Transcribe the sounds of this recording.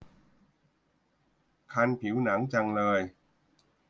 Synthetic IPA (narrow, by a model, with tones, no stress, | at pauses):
kʰa˧npʰi˩˦wna˩˦ŋt͡ɕa˧ŋlɤː˧j